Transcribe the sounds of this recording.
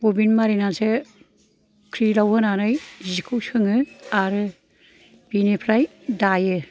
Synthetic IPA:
ɡubinmaɾinanse | kʰɾilawɦɯnanɯjzikʰɯwsɯŋɯaɾɯ | b̥inepʰɾaj | dajɯ

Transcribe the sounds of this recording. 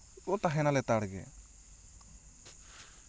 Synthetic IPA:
ɔt̪aɦɛnalɛt̪aɽɡɛ̰

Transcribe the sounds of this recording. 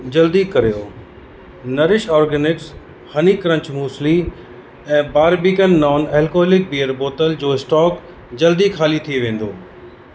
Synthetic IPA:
d͡ʑɐld̪ikɐɾijoː | nɐɾɪʃɔːɾɡɛːnɪks | hɐnikɾə̃ɲt͡ɕmuːsli | ɛ̃ːbaːɾbikənːɔːnɛːlkoːɦlɪk̚biːəɾboːt̪əld͡ʑoːɪsʈɔːk | d͡ʑɐld̪ikʰaːlit̪ʰieʋẽːn̆d̪oː

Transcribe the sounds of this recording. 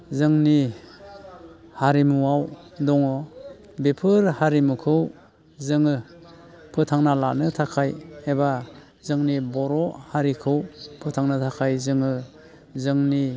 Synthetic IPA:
zɯŋni | haɾimuwaw | dɔŋɔ | bepʰɯɾhaɾimukʰɯw | zɯŋɯ | pʰɯtʰaŋnala̰nɯtʰakʰajeba | zɯŋnibɔɾɔhaɾikʰɯwpʰɯtʰaŋnɯtʰakʰajzɯŋɯ | zɯŋni

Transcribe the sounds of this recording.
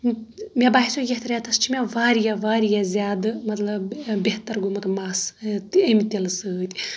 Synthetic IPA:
mʲɐbaːɦisojʲeht̪ɐɾʲjat̪ɐst͡ʃʰimʲɐʋaːɾijɐʋaːɾijɐzʲaːd̪ɨmɐt̪lɐbʲeht̪ɐɾɡumɐt̪ɐmaːsemʲit̪ʲelɐsɨt̪ʲi̥

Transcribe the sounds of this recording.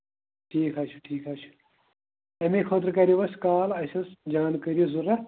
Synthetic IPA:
ʈʰiːkʰaːt͡ʃʰu̥ʈʰiːkʰaːt͡ʃʰu̥ | ɐmekʰoːt̪̬ɾkɐɾiʋɐskaːlɐsɐsd͡ʒaːnkɐɾizuɾɐ

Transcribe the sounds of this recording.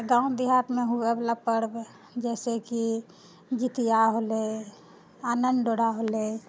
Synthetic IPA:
ɡãːʊ̃d̪iɦaːʈ̪mẽɦueblapəɾb | d͡ʒɛːseki | d͡ʒit̪ijaɦole | aːnəɳɖɖoɽaɦole

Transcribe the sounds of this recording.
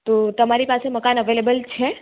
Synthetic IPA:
t̪ot̪əmaɾipaseməkanəʋelebəlt͡ʃʰe

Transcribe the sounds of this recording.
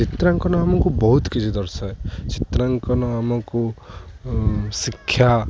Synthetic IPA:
t͡ʃit̪ɾaŋkɔnɔamɔŋkubɔɦut̪kit͡ʃʰid̪ɔɾsaet͡ʃit̪ɾaŋkɔnɔamɔku | sikʰːja

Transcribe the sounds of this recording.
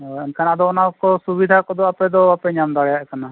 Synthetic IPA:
ɔɛnkʰanad̪ɔɔnakɔsubid̪ʱakɔd̪ɔapɛd̪ɔapɛɲamd̪aɽɛjaʔkana

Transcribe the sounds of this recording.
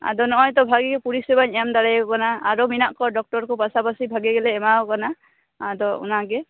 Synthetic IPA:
a̰d̪ɔnɔɦɔjt̪ɔbʱaɡiɡɛpuɹisɛbaɲɛmd̪aɹajɔkanaːɹominaʔkɔdɔk̚tɔɹkɔpasapasibʱaɡiɡɛlɛːmaɔkana | ad̪ɔṵnaɡɛ

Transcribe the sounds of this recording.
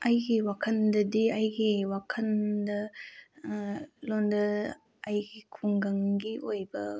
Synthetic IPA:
ɐjɡiwakʰɐndɐdiɐjɡiwakʰɐndɐ | londɐ | ajɡikʰuŋɡɐŋɡiʔojbɐ

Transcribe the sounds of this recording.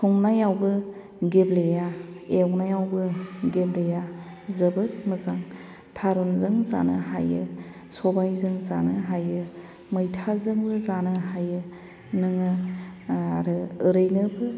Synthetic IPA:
tʰɔŋnajawbɯ | ɡeblejaewnajawbɯɡebleja | zɯbɯt̚mɯzaŋ | tʰaɾunzɯŋza̰nɯɦajɯ | sɔbajzɯŋza̰nɯɦajɯ | mɯjtʰazɯŋbɯzanɯhajɯ | nɯŋɯ | aɾɯɯɾɯjnɯbɯ

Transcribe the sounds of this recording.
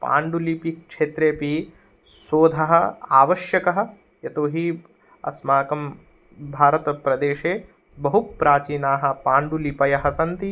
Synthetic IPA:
pa̰ːɳɖulipikʂeːt̪ɾeːpi | soːd̪ʱɐɦɐ̆aːʋɐʃjɐkɐɦɐ̆ | jɐt̪oːɦi | ɐ̰smaːkɐm | bʱaːɾɐt̪ɐpɾɐd̪eːʃeː | bɐɦupɾaːt͡ʃiːnaːɦɐ̆paːɳɖulipɐjɐɦɐsɐnt̪i

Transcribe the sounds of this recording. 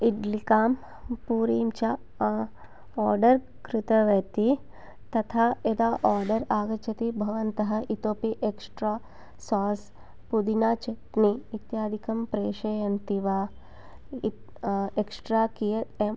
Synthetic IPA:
iɖlikaːm | puːɾiːmt͡ʃa | ɔːɾɖɐɾ | kɾɪt̪ɐʋɐt̪i | t̪ɐt̪ʰaːed̪aːʔaːɾɖɐɾaːɡɐt͡ʃʰɐt̪ibʱɐʋɐnt̪ɐɦɐ̆ʔit̪oːpiʔeksʈɾaː | saːs | pud̪inaːt͡ʃɐt̪niit̪jaːd̪ʱikɐmpɾeːʃɐjɐnt̪iʋaː | eksʈɾaːkijɐe

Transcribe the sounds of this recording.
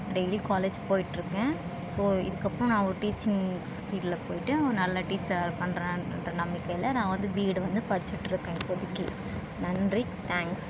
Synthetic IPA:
ɖeɪlikaːleːd͡ʒpoːjɪʈːɪɾɯkːẽː | soːɪ̰ðɯkːɐpːɾɔ̃nãːɔɾɯʈiːt͡ʃɪŋspiːɖɪlɐpoːjɪʈːɯɔnɐlːɐʈiːt͡ʃɐɾpɐɳɾɐ̃nrɐnɐmːɪkːɐjɪlɐnãːʋɐnd̪ɯbiːɽʋɐnd̪ɯpɐɽɪt͡ʃːɪʈːɪɾɯkːẽːpɔðɯkːi | nɐndri | t̪ʰaːŋks

